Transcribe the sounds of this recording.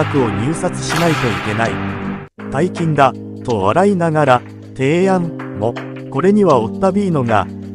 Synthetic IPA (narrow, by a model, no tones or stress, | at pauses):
akɯ̟o̞ɲ̟ɨːsat͡sɨ̥ɕinait̪o̞ike̞naḭ | t̪aikʲĩnd̪a | t̪o̞βa̰ɾainaɡaɾa | t̪e̞ːãmmo̞ | ko̞ɾe̞ɲ̟iβao̞t̪ːabʲiːno̞ɡa̰